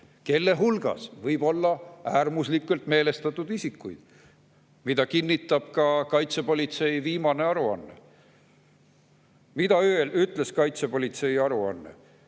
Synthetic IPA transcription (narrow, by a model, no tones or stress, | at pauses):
ke̞lːe̞ɦulɡ̥ɑ̰svɤjb̥o̞lːɑæːrmuslikˑːult̪me̞ːle̞st̪ɑt̪ːˑud̪̥isikːˑujd̪̥ | mid̪̥ɑkinːit̪ːˑɑb̥̚kɑkɑjt̪sepo̞lʲit̪se̞jviːmɑne̞ɑɾuɑ̰nːḛ | mid̪̥ɑye̞lyt̪ˑleskɑjt̪sepo̞lʲit̪se̞jɑɾuɑ̰nːḛ